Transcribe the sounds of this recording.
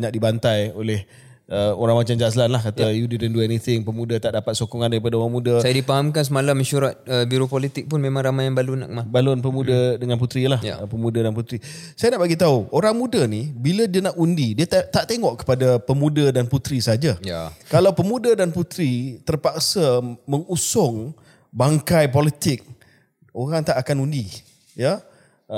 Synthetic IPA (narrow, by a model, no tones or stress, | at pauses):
ɲak̚dibant̪ajolɛh | əoɾaŋmat͡ʃamd͡ʒaslanlahkat̪ajudidɛnduɛnit̪ʰɪŋpəmũdət̪aʔdapat̪̚sokɔŋandaɾip̬adaoɾaŋmũdəsajaadipaɦamkans̬əmalamiʃuɾat̪̚əbiɾopolit̪ɪk̚pʊnmemãŋɾamajaŋbaluna̰ʔkəmabalʊnp̬əmudədəŋanput̪ɾilahjəpəmudadanput̪ɾi | sajanaʔbaɡit̪auʔoɾaŋmũdənibilədianaʔundidiət̪aʔt̪eŋɔʔkə̥padapəmudadanput̪ɾisəɦad͡ʒajakalawpəmũdadanput̪ɾit̪ərpak̚saməŋusʊŋ | baŋkajp̬ɔlit̪ɪk̚ | oɾaŋt̪aʔakanundi | ja